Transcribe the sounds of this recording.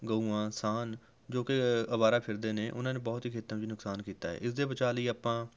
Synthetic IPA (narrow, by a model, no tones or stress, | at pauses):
ɡəuːãːsaːn | d͡ʒoːkeəβaːɾaːpʰɪɾd̪eːnẽːʔʊ̰nãːnẽːbɔːt̪ɦiːkʰeːt̪əmd͡ʒiːnʊksaːnkiːt̪aːɦɛ̰ːʔɪsd̪eːbət͡ʃaːliːapːãː